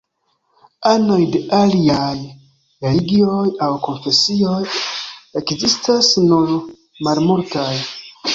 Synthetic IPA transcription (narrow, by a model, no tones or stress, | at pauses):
ano̞jde̞ʔaliaj | ɾe̞liɡio̞jawko̞nfe̞sio̞je̞kzistasnuɾ | malmultaj